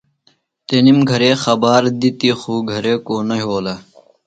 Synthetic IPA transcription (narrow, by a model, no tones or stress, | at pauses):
t̪enimɡʱɐɾeːxɐbaːɾd̪it̪ixuːɡʱɐɾeːkoːnɐɦoːla